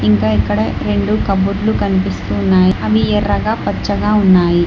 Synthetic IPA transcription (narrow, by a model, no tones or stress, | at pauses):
iŋkaːikːɐɽɐɾe̞ɳɖukɐbuɾlukɐnipist̪uːnːaːjiɐʋiɛrːɐɡaːpɐt͡ʃːɐɡaːunːaːji